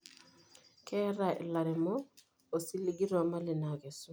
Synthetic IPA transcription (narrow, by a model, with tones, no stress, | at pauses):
kʰɛ˦ɾa˨ʔɪ̰˨la˨ɾɛ˨mɔ˦ | o˨si˦li˦ɡi˦ɾɔ˨ma˦lɪ˨na˨kɛ˨su˦